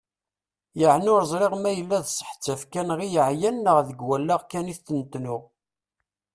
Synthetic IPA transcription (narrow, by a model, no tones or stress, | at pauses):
jəʕnʊɾəzˤɾeʁmæjəlːæðsˤə̥ħt͡sːəfkænʁijəʕjænːəʁðəɡwælːaʁkæniθθənt̪nʊʁ